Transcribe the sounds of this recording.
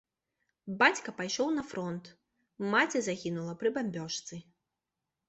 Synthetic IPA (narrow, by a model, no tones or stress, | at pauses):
bat͡sʲkɐpajʂɔwnɐfɾɔnt̪ | mat͡sʲɛzaɣʲinulˠɐpɾɨbamʲbʲɔʂt̪sɨ